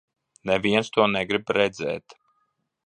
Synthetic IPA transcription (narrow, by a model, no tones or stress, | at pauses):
nɛviɛnst̪uɔnɛɡɾibɾɛd̪zɛ̰ːt̪